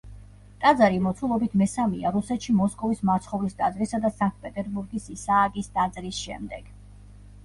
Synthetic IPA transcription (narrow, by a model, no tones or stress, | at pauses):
t̪ʼad̪zaɾimɔt̪sʰulˠɔbit̪ʰmɛsamiaɾusɛt̪ʃimɔskʼɔvismaɾt̪sʰχɔvlisd̪ʼad̪zɾisad̪asaŋk̚ʼpʼɛt̪ʼɛɾbuɾɡisisaːɡisd̪̥ad̪zɾisʃɛmd̪ɛɡ̥